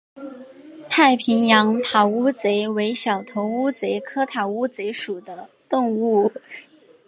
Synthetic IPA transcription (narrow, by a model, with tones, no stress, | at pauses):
t̪ʰa˥˩ɪpʰi˧˥ŋjɑ˧˥ŋt̪ʰa˨˩u˥t͡se˧˥ɪwe˧˥ɪɕjɑ˨˩ʊt̪ʰo˧˥ʊu˥t͡se˧˥ɪkʰɤ˥t̪ʰa˨˩u˥t͡se˧˥ɪʂu˨˩d̪ə˦ | t̪o˥˧ŋu˥˩